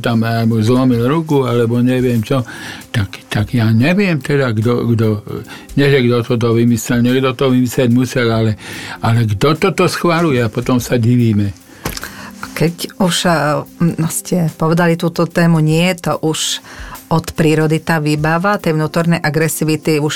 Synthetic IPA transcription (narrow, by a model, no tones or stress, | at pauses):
t̪amamuzlɔmilɾukualɛbɔɲɛʋɪɛmt͡ʃɔt̪akt̪aɡjaɲɛʋɪɛmt̪ɛd̪aɡd̪ɔɡd̪ɔɲɛʒɛɡd̪ɔt̪ɔt̪̬ɔʋimislɛlɲɛɡd̪ɔt̪ɔʋimislɛɟmusɛlalɛalɛɡd̪ɔt̪ɔt̪ɔsxʋalujɛapɔt̪ɔmsaɟiʋiːmɛ | kɛcuʃ | ɔscʰɛpɔʋɛd̪alit̪uːt̪ɔt̪ɛːmuɲɪɛɛt̪ɔʔuʃɔt̪pɾiːɾɔd̪it̪aːʋibaʋat̪ɛjʋnuːt̪ɔɾnɛjʔaɡɾɛsiʋit̪iuʃ